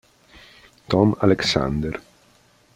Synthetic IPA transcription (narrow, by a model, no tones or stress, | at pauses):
t̪ɔmaleksa̰nd̪er